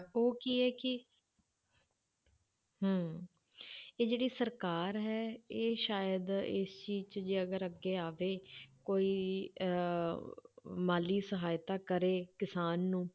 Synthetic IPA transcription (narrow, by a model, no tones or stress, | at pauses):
oːkiːɦɛːkɪ | ɦəː | eːd͡ʒeːɽiːsəɾkaːɾɦɛːeːʃaːjəd̪ɪ̰st͡ʃiːzt͡ʃd͡ʒeːəɡəɾəɡːeːaːʋeːkoːiː | maːliːsəɦaːjt̪aːkəɾeːkɪsaːnːũː